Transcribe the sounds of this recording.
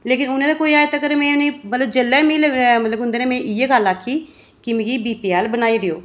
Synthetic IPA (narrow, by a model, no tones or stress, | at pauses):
leːkɪnʊnẽːd̪aːkoːiːaːjet̪akəɾmɛ̃ːʊneːmət̪ləbd͡ʒəlːɛːmiːlmət̪ləbʊnd̪eːnẽːmɛ̃ːʔieɡəlaːkʰːiː | kɪmẽːkiːbiːpiːɛːlbənaːiːd̪ɪo̰ː